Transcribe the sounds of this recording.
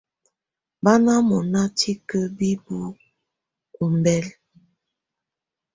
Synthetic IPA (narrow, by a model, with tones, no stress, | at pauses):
ba˦na˦mɔ˨na˦tʰi˦kə˦bi˦bu˦ | ku˨m˨bɛ˦l